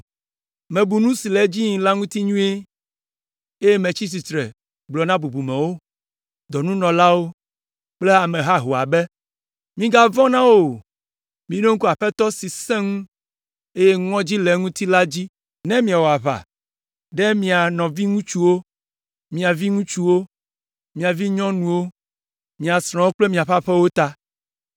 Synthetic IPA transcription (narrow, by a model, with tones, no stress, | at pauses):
mɛ̃˨bu˨nũ˦si˨lɛ˨˦d͡ʑi˦ɲĩ˨la˦ŋũ˦t̪i˦ɲũ˦e˦ | e˦je˦mɛ̃˨t͡ɕi˦s̬i˨t̪ɾɛ̰˨ | ɡ͡blɔ˨nã˦bu˨bu˨mɛ̃˨wo˦ | d̪ɔ˨nũ˦nɔ̃˨la˦wo˦ | k͡plɛ˦a˨mɛ̃˨ɦa˦ɦo˨a̰˨bɛ˦ | mĩ˦ɡa˦vɔ̃˦nã˦wo˨ | mĩ˨˦ɖe˦ŋ̩u˦ku˦a˨ɸɛ˦t̪ɔ˦si˨sɛ̃˦ŋũ˦ | e˦je˦ŋɔ̃˦d͡ʑi˦lɛ˨ŋũ˦t̪i˦la˦d͡ʑi˦ | nɛ̃˦mĩ˦˨a˨wo˨a˨βa̰˨ | ɖɛ˦mĩ˨a˨nɔ̃˨vi˦ŋũ˦t͡ʃu˦wo˦ | mĩ˨a˨vi˦ŋũ˦t͡ʃu˦wo˦ | mĩ˨a˨vi˦ɲɔ̃˦nũ˨wo˦ | mĩ˨a˨sɾ̃ɔ̃˨wo˦k͡ple˦mĩ˨a˨ɸa˦ɸɛ˦wo˦t̪a˦